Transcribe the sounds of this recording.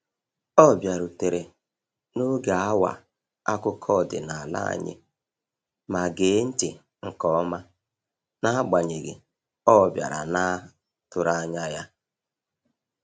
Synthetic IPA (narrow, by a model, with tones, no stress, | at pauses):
ɔ˦˨bja˨ɾu˨te˨ɾe˨ | no˦ɡe˨a˦wa̰˨ | a˦kʊ˦kʰɔ˦˨dɪ̰˨na˨a˨la̰˦a̰˨ɲɪ̰˦ | ma˨ɡe˨˦n̩˦tɪ˨ | ŋ̩˨kɔ˦ma˦ | na˦ɡ͡ba˨ɲe˨ɡɪ̰˨ | ɔ˦˨bja̰˨ɾa̰˨na˦ | tʊ˨ɾa˦ɲa˦ja˦